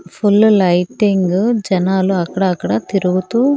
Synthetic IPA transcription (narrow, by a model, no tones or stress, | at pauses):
pʰulːlɐjʈiŋɡd͡ʒɐnaːluɐkːɐɽɐːkːɐɽɐt̪iɾuɡut̪uː